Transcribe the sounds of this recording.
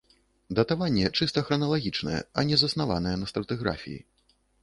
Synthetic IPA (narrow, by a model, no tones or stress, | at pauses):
d̪ɐt̪avanʲːɛt͡ʂɨst̪ɐxɾɐnɐlˠaɣʲit͡ʂnɐjɛ̰ɐnʲɛzɐsnava̰nɐjɛnɐst̪ɾɐt̪ɨɣɾa̰fʲḭjḭ